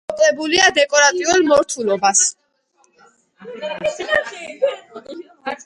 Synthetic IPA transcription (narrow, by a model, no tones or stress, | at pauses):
ɔkʼlɛbuliad̪ɛkʼɔɾat̪ʼiulˠmɔɾt̪ʰulˠɔbas